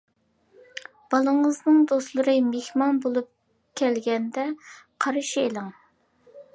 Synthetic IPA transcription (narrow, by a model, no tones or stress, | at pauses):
b̥ɑlˠəɴəznɨŋd̪oslˠɨɾɨmehmɑnbolˠup̚ | kʲʰɛlɡʲɛnd̪ɛqʰɑɾɨʃielˠɪŋ